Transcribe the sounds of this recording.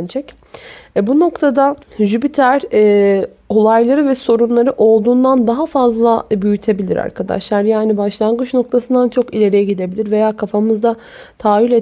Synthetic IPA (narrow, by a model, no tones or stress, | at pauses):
nd͡ʒʰɛc | ɛbuno̞kt̪ʰad̪aʒybit̪ʰæɾɛː | o̞lˠajlˠaɾɯvɛso̞ɾunlˠaɾɯʔo̞lˠd̪uːnd̪and̪aɦafazlˠabyjyt̪ʰe̞bilʲiɾa̰ɾkʰad̪a̰ʃlˠaɾjaːnibaʃlˠanɡɯt͡ʃno̞k̚t̪ʰasɯnd̪ant͡ʃʰo̞kilʲe̞ɾejɛɟid̪e̞bilʲiɾve̞jaːkʰafamɯzd̪a | t̪ʰaːjylʲe